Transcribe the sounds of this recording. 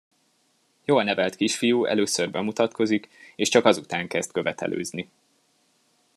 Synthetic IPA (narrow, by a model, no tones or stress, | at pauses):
joːlnɛvɛlt̪kiʃfijuɛ̰løːsørbɛmut̪ɒt̪kʰo̞zikeːʃt͡ʃɒkɒzut̪aːŋkɛz̥t̪kø̞vɛt̪ɛ̰lʔø̰ːzni